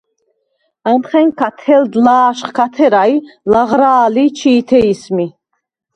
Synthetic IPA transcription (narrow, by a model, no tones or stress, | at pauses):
amχɛŋkʰat̪ʰɛld̪laːʃχkʰat̪ʰɛɾailaʁɾaːlit͡ʃʰiːt̪ʰɛismi